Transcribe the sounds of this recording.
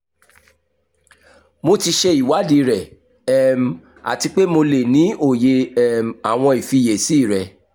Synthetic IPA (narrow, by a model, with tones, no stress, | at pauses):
mo˧ti˧ʃe˧i˨wa˨˦di˧˦ɾɛ˨ | ɛ˨m˨ | a̰˨ti˧k͡pe˦mo˧le˨nĩ˨˦o˦˨je˧ɛ˦˨m˨a˨w̃ɔ̃˧i˨fi˧˨je˨si˨˦˨ɾɛ˨